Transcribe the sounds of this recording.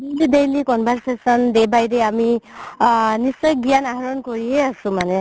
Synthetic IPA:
delid̪ejlikɔnbʱaɾsesʌnd̪ebajdeami | nisɔjɡijanaɦɾɔnkɔɾiɦeasũmane

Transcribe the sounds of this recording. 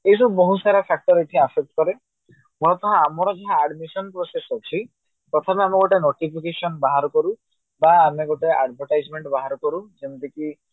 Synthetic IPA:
ejs̬ubbɔɦũsaɾapʰak̚ʈɔɾet̪ʰĩasek̚ʈkɔɾe | mɔlɔt̪ɔɦãamɔɾɔd͡ʒaɦãːɖmisɔnpɾosesɔkʰi | t̪ɔt̪ʰapeameɡoʈenoʈipʰikesɔnbaɦaɾɔkɔɾu | baːmeɡoʈea̰ɖbʱɔɾʈajd͡ʒmeɳʈbaɦaɾɔkɔɾud͡ʒent̪eki

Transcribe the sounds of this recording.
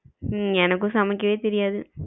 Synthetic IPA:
ɛnɐkːʊ̃sɐmɐkːɐʋeːt̪ɛɾɪjaːðɯ

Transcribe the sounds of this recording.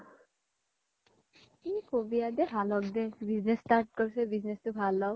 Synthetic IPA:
t̪inikobijad̪ɛbʱalɔk̚d̪ɛbiznesːtaɾʈ̚kɔɹsɛbiznestubʱalːɔ

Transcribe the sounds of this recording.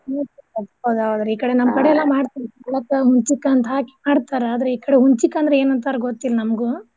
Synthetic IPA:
eʈuɐt̪bod̪aːʋad̪ɾɐiːkɐɽe̞nɐmkɐɽeɛlːɐmaːɽt̪iɾkɐlɐkɐɦuɲt͡ʃikːɐːnt̪ɐɦaːki̥maːɽt̪aːɾeaːd̪ɾeiːkɐɽeɦuɲt͡ʃikːɐnd̪ɾee̞ːnɐnt̪aːɾɐɡot̪ːilɐnɐmɐɡu

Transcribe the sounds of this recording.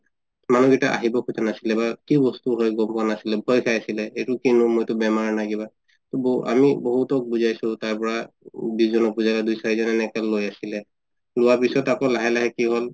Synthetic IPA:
manuɡitaʔa̰ɦibɔkʰutʰanasilɛbakibɔstuɦɔjɡɔmpʊanasilɛbʱɔjkʰajasilɛetʊkinʊmojtʊbɛmaɹnaɡiba | tɔba̰mibɔɦutɔk̚buzajsʊtaɹpɔɹa | biszɔnɔk̚buzalɛdujsaɹizɔnɛnɛkɛlojasilɛ | lʊwapisɔtakɔlaɦɛlaɦɛkiɦɔl

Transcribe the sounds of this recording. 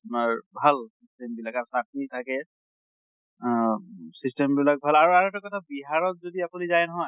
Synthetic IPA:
maɹbʱalsistɛmbilakaɹusak̚nitʰakɛ | sistɛmbilak̚bʱalaɹuaɹɛtɔkɔtʰabiɦaɹɔt̚zodiapunizajnɔɦɔj

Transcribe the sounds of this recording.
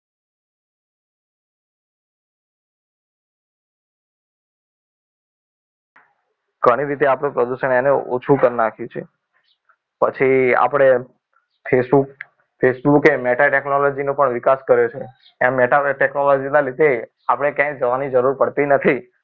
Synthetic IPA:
ɡ̥ʱəɽ̃iɾit̪̬eapɽ̃epɾəd̪uʃəɳ̃eneo̰t͡ʃʰukəɾnakʰjũt͡ʃʰe | pə̰t͡ʃʰia̰pəɽ̃e | pʰesbuk | fʰesbukemeʈaʈeknolod͡ʒinõpəɳʋikaskəɾjot͡ʃʰe | ẽmeʈaʈeknolod͡ʒinalid̪e | apɽ̃ekjãd͡ʒəʋanid͡ʒəɾuɾpəɽt̪inət̪ʰi

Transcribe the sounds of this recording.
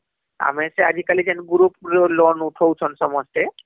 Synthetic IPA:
a̰mɛsɛad͡ʒikalid͡ʒɛnɡuɹupɹlɔnutʰowt͡ʃʰɔnsɔmɔstɛ

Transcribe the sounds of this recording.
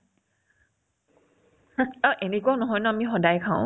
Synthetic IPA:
aʔenekuanɔɦɔjnɔamixɔdajkʰãʊ̃

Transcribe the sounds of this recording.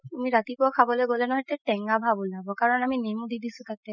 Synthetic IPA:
tumiɹatipʊakʰabɔlojɡolɛnɔɦɔjtɛtɛŋɡabʱabɔlabɔkaɹɔnaminimudidisʊ̃tatɛ

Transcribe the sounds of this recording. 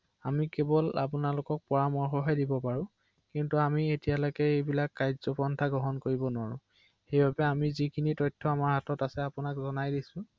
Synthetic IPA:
amikebɔla̰pʊnalʊkɔk̚pɔɹamɔɹxɔɦɔjdibɔpaɹʊ̃ | kintuamietijalɔjkɛejbilakːajzɔpɔntʰaɡɹɔɦɔnkoɹibɔnwaɹʊ̰̃ | xejbabɛamizikʰinitɔjtʰːɔamaɹɦatɔtasɛapʊnakzɔnajdisʊ̃

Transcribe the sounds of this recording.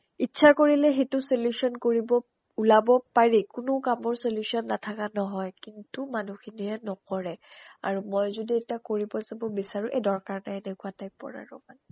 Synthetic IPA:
itːsʰakoɹilɛxetʊsoljusɔnkoɹibɔ | ulabɔpaɹikʊnʊkamɔɹsoljusiɔnːatʰakanɔɦɔjkintumanuxʰiniɛnɔkɔɹɛa̰ɹumɔjzodietiakoɹibɔzabɔbisaɹuʔedɔɹkaɹnaɛnɛkʰuatajpɔ̰ɹa̰ɹɔ̰man

